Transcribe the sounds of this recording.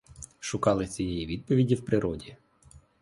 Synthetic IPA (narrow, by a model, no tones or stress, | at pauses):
ʃʊkɑlˠɪt͡sʲijɛjiʋʲid̪̚pɔʋʲidʲiwpɾɪɾɔdʲi